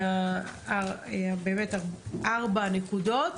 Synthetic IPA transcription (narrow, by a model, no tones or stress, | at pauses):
aaeabeːmetaʁʔaʁbanekudot